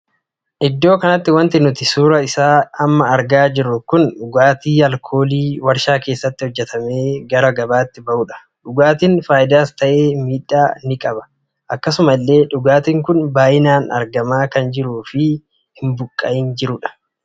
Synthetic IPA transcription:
ʔɪd̪ːo̞ːkɐnɐt̪ːɪwɐnt̪ɪnʊt̪ɪsuːɾɐɪsaːɐmːɐːɾɡaːd͡ʒɪɾːʊkʊnɗʊɡaːt̪iːɐlkʰo̞ːliːwɐɾʃaːke̞ːsːɐt̪ːɪhɔd͡ʒːɛt̪ʰɐme̞ːɡɐɾɐɡɐbaːt̪ːɪbɐʔuːᶑɐ̥ | ᶑʊɡaːt̪iːnfaːjɪd̪aːst̪ɐʔe̞ːmiːᶑaːnɪkʼɐbɐ̥ | ʔɐkːɐsʊmɐlːe̞ːᶑʊɡaːt̪iːŋkʊnbaːʔɪnaːnɐ̰ɾɡɐmaːkɐnd͡ʒɪɾuːfɪ | hɪmbʊkʼːɐʔɪnd͡ʒɪɾʊᶑɐ̥

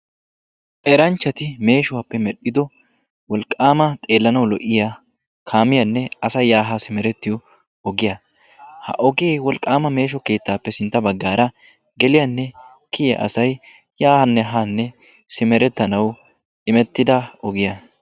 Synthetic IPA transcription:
ʔɛɾɐnt͡ʃːɐt̪ɪme̞ːʃʊwapːɛmɛɗːɪd̪ɔ | wɔlkʼːaːmɐt̪ʼe̞ːlːɐnɐwlɔʔːɪja | kʰaːmɪjɐnːɛɐsɐjːaːɦɐsɪmɛɾɛt̪ːɪjɔ | ɔɡɪjɐ | hɐ̰ʔɔɡeːwɔlkʼaːmɐme̞ːʃ̬ɔke̞ːt̪ːaːpːɛsɪnt̪ːɐbɐɡːaːɾɐ | ɡɛlɪjanːɛ | kɪjɐ̰ʔɐ̰sɐj | jaːhɐnːɛɦanːɛ | sɪmɛɾɛt̪ːɐnɐw | ʔɪmɛt̪ːɪd̪ɐɔɡɪja

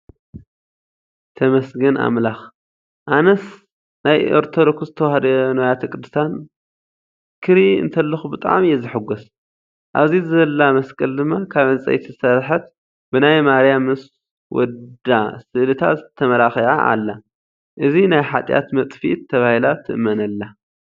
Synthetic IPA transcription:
t̪ʰɐmɐsɡɐna̰mlax | ʔanɐs | najoɾt̪ʰod̪okust̪ʰɐwhd̪ɐnojat̪ʰɐkʼɨd̪ːɨ̥st̪an | kʰɨɾiɨ̰nt̪ʰɐlːɐxubɨt̪ʼa̰ʕmjɛzɨħɨɡus | ʔaβzizɨɐlːamɐskʼɐld̪ɨmːakʰaβʕɨnt͡sʼɐ̰jt̪ʰisɐɾħɐt̪ | bɨnajmaɾjamɨs | wɔ̰dd̪asɨʔlɨt̪ʰa̰t̪t̪ʰːɐmɐlaxiʕa̰ʔa̰lːa | ʔɨzinajħat̪ʼja̰t̪mɐt̪ʼfḭt̪ʰːɐβahilat̪ʰɨʔmːɐnɐlːa

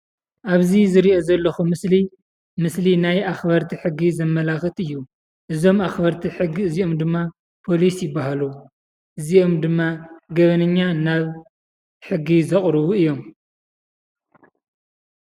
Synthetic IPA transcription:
ʔaβzizɨɾiʔo̞zɐlːɐxumɨsli | mɨslinajʔaxbɐɾt̪ʰiħɨɡːizɐmːɐlaxɨt̪ɨjːu | ʔɨzo̞maxbɐɾt̪ʰiħɨɡiɨziʔo̞md̪ɨmːa | pʰo̞lisjɪbːaɦalu | ʔɨziʔo̞md̪ɨmːaɡɐβɐnɨɲːanaβ | ħɨɡːizɐχʼɾɨβuɨjːo̞m

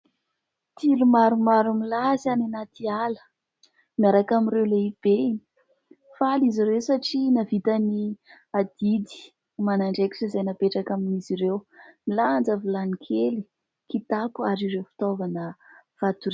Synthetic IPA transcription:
t̪ʰilumaɾumaɾumilazananat̪ialə̥ | miaɾakamiɾewleib̥eni | faliziɾewsaʈ͡ʂinavit̪əni | ad̪̥id̪i̥ | manaɳɖ͡ʐeki̥ʈ͡ʂəzajnapeʈ͡ʂakaminiziɾewmiland͡zavulanikʰeli | kit̪apuaɾiɾewfi̥t̪ovanəv̥at̪uɾ

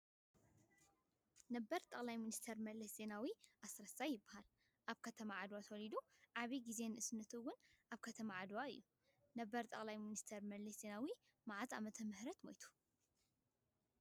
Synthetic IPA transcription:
nɐbːɐɾt̪ʼɐkʼlajminist̪ʰɐɾmɐlɐszenawiʔasɾɐsajːɪbːahal | ʔaβkʰɐt̪ʰɐmaʕad̪wat̪ʰɐwɔlid̪uʕaβiɡize̞nɨʔɨsnːɐt̪ʰuwʊnʔaβkʰɐt̪ʰɐmaʕad̪waɨ̰jːu | nɐbːɐɾt̪ʼɐkʼlajminist̪ʰɐɾmɐlɐsz̥e̞nawi | maʕat̪a̰mɐt̪ʰɐmɨhɾɐt̪mo̰jt̪ʰu̥

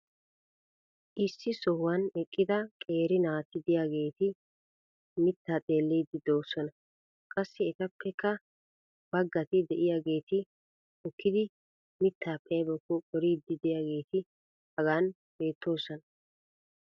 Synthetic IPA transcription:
ʔɪsːɪsɔhwɐnɛkʼːɪd̪ɐkʼe̞ːɾɪnaːt̪ːɪd̪ɪjaːɡe̞ːt̪ɪ | mɪt̪ːaːt̪ʼe̞ːlːiːd̪ːɪd̪o̞ːsɔnɐ | kʼɐsːɪɛt̪ɐpːɛkːɐ | b̥ɐɡːɐt̪ɪd̪ɛʔɪjaːɡe̞ːt̪ɪ | ɔkːɪd̪ɪ | mɪt̪ʰːaːpʰːɛjɐbɔkːɔɔɾiːd̪ːɪd̪ɛjaːɡe̞ːt̪ɪ | hɐɡaːn | b̥e̞ːt̪ːo̞ːsɔnɐ

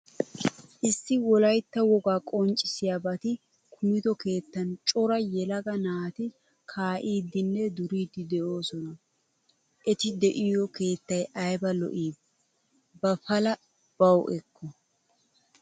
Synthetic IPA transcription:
ʔɪsːɪwɔlɐjt̪ːɐwɔɡaːkʼɔnt͡ʃʼːɪsɪjaːbɐt̪ɪ | kʰʊmɪd̪ɔke̞ːt̪ːɐnt͡ʃʼɔɾɐjɛlɐɡɐnaːt̪ɪ | kʰaːʔiːd̪ːɪnːɛd̪ʊɾiːd̪ːɪd̪ɛʔo̞ːsɔnɐ | ʔɛt̪ɪd̪ɛʔɪjɔke̞ːt̪ːɐjɐjbɐlɔ̰ʔiːb | bɐfɐlɐ | b̥ɐwʔɛkːɔ

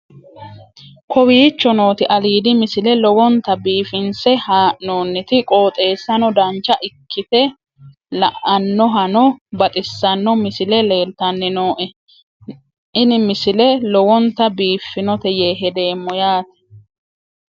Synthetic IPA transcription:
kʰɔwiːt͡ʃːɔno̞ːt̪ɪʔɐliːd̪ɪmɪsɪlɛlɔwɔnt̪ːɐbiːfɪnsɛhaːʔnoːnːɪt̪ɪkʼo̞ːt̪ʼe̞ːsːɐnɔd̪ɐnt͡ʃːɐʔɪkʰːɪt̪ɛ | lɐ̰ʔɐnːɔɦɐnɔbɐt̪ʼɪsːɐnːɔmɪsɪlɛle̞ːlt̪ɐnːɪnoːʔɛ | ɪnɪmɪsɪlɛlɔwɔnt̪ɐbiːfːɪnɔt̪ɛjeːɦɛd̪e̞ːmːɔjaːt̪ɛ̥

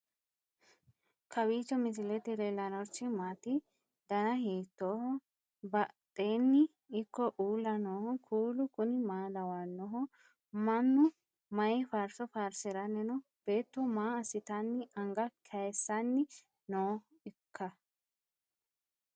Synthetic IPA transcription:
kɐbiːt͡ʃːɔmɪsɪlɛt̪ɪlelɐnɔɾt͡ʃːɪmaːt̪ɪ | d̪ɐnɐɦiːt̪ːoːhɔ | bɐt̪ʼːeːnːɪ | ɪkːɔʔuːlːɐnoːhɔkʰuːlʊkʊnɪmaːlɐwaːnːɔɦɔ | mɐnːʊ | mɐjɪfaːɾsɔfaːɾsɪɾɐnːɛnɔ | b̥eːt̪ːʊmaːɐsɪt̪ɐnːɪɐŋɡɐkʰɐjsːɐnːɪ | noː | ɪkʰːɐ

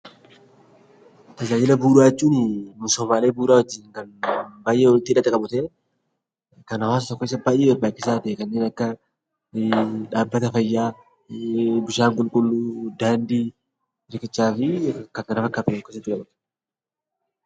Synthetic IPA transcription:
t̪ɐd͡ʒaːd͡ʒɪlɐbuːɾaːt͡ʃːuːnɪmʊsɔːmaːleːbuːɾaːwɔd͡ʒːɪːŋkɐnbaːjʔeːwɔnɪt̪ːɪᶑɐt̪ːɛkʼɐbʊt̪e | kɐnɐwaːsɐt̪ɔkːeɪsːɐbaːjʔeːɛbaːkːɪsaːt̪eːkɐnːeːnɐkːɐ | ᶑaːbːɐt̪ɐfɐjːaː | bʊʃaːŋkʼʊlkʼʊlːuːd̪aːnd̪iː | ɾkɪt͡ʃːaːfɪkɐkɐnɐfɐkːaːt̪ʊɔkːesɐt̪ːɪkʼɐbʊt̪

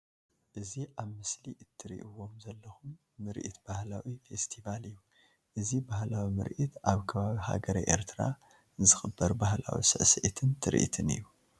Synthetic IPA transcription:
ʔɨziʔaβmɨsliʔɨt̪ʰːɨɾḭʔuwo̞mzɐlːɐxumː | ɨɾʔḭt̪b̥ahlawife̞st̪ʰivalɨjːu | ʔɨzibahlawimɨ̰ɾʔit̪ʔaβkʰɐβaβiha̰ɡɐɾɐ̰jʔḛɾt̪ʰɨɾa̰ | zɨxɨbːɐɾbahla̰wḭsɨ̰ʕsɐʔt̪ʰɨnt̪ʰɨɾḭʔḭt̪ʰɨnḭjːu

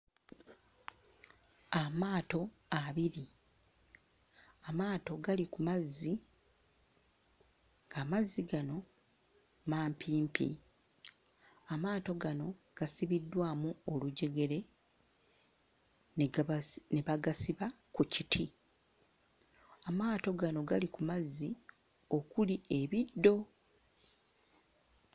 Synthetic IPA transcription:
amaːto̞ | aβiɾi | amaːto̞ɡalikumazːi | ŋɡaːmazːiɡano̞ | maːmpʰiːmpḭ | amaːto̞ɡano̞ | ɡ̥asiβidːwaːmuoluɟe̞ɡe̞ɾe̞ | nne̞βaɡasiβa | kucitʰi | amaːto̞ɡano̞ɡalikumazːi | o̞kulie̞βidːo̞

